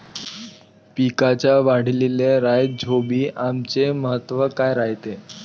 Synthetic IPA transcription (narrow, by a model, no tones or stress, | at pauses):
pikat͡ɕjaʋaɽ̤lileɾajd͡ʑʱobiːʔamt͡ɕeməɦət̪ːʋəkajɾaɦit̪e